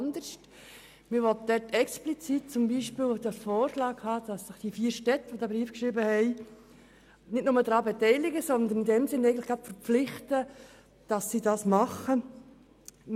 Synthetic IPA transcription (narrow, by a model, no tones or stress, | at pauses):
ndəʃt | mɪʋɔtəd̥ɛtɛksplit͡sit̚t͡sʊmbiːʃpiːld̪ɑfɔːɾʃlɑːkhɑːd̥ɑsːɪχd̥ifiːəɾʃtɛtːəʋodɑːbɾiːfkʃɾɪːbəhɛɪ | nɪtnʊmədɾɑːbɛtɛɪlɪɡəsɔnd̪ənɪndɛmsɪnːɛɪɡətləχɡ̥ɾɑpfəɾpp͡flɪχtə | d̥ɑsːidɑsmɑχə